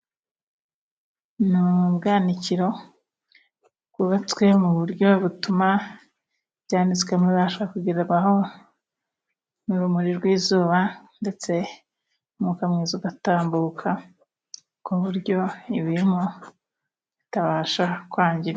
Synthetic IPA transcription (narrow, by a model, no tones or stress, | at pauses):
nubɡaːniciɾo̞ | kuβat͡swe̞muβuɾjo̞βutuma | βɟaːnit͡skwemwiβaʃoβɾakuɡiɾaɡwaho̞ | niɾumuɾiɾɡwiːzuːβande̞t͡se̞ | umukamŋizuɡataːmbuːkʰa | koβuɾɟo̞iβiɾimo | βitaβaːʃakwaːɲɟiɾ